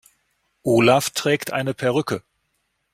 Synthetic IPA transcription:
ʔoːlaftʁ̥ɛːktʔa̰ɪnəpʰɛɐʁʏkə

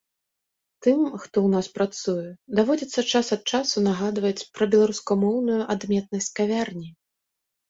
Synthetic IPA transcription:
t̪ɨmxt̪ɔwnaspɾat̪sujɛd̪avɔd͡zʲit̪sːɐt͡ʂasɐt̪̚t͡ʂasunaɣad̪vɐt͡sʲpɾɐbʲɛlˠaɾuskɐmɔwnujuʔad̪mʲɛt̪̚nɐsʲtʲkavʲarnʲi

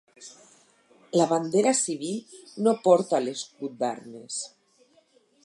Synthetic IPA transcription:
laβand̪eɾasiβ̞ilnopɔɾt̪aleskut̪̚d̪a̰ɾnes

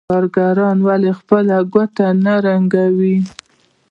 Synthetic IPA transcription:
ɑɾɡaɾɑnwalexpəlaɡat̪anaɾaŋɡawi

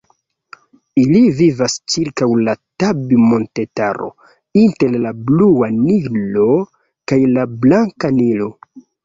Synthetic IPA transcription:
ilivivast͡ʃiɾkawlatabimo̞nte̞taɾo̞̰ | inte̞ɾlabluanilo̞ | kajlablaŋkanilo̞

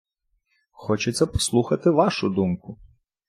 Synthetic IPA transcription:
xɔt͡ʃet̪sʲɛpɔ̥slˠuxɐt̪ɪʋɑʃʊd̪umkʊ

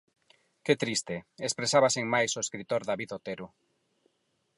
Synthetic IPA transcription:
ket̪ɾist̪eespɾesaβaseŋmajsoeskɾit̪oɾðaβiðot̪eɾʊ

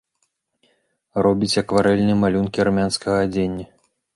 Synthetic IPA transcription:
rɔbʲit͡sʲɐkvaɾɛlʲnɨjɛmalʲunkʲiaɾmʲanskɐɣɐːd͡zʲenʲːɐ

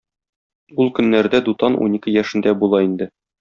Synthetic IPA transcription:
ulˠkɵ̆nːæɾd̪æd̪ut̪ɑnʔṵnikɘjæʃɘ̆nd̪æbulˠɑind̪ɘ

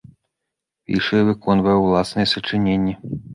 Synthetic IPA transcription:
pʲḭʂɨjɛvɨkʰɔnvɐjɛwlˠasnɨjɛsɐt͡ʂɨnʲenʲːɛ

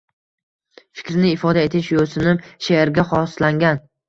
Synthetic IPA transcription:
fɪ̥kʲɾnɪɪfɒd̪ae̞t̪ʰɪʃjolsɪnɪmʃeɾɡʲaχɒslaŋɡʲan

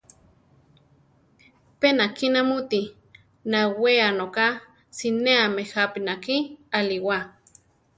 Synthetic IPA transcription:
penakinamut̪i | naweanoka | sineamehapinakialiwa

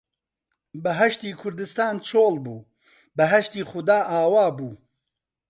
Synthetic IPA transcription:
bɐɦɐʃt̪iːkʰʊɾd̪ɨst̪aːnt͡ʃʰoːlbuː | bɐɦɐʃt̪iːxʊd̪aːʔaːwaːbuː

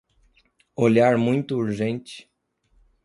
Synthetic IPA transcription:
oʎaɾmũj̃t̪ʊuɾʒẽnt͡ʃɪ̥

